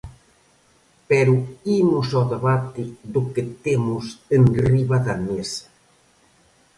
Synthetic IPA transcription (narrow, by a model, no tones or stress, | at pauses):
pɛɾuimʊsoðeβat̪iðoket̪emʊsenriβaðɐmesḁ